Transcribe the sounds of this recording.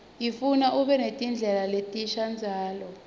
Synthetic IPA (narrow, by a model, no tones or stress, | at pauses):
ifunaʔuɓɛnetʼind͡ɮʱɛlaletʼiʃand͡zʱaːlɔ